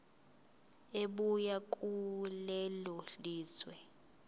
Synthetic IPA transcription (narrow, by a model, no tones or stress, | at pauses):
eɓujakʼulɛlɔliːswɛ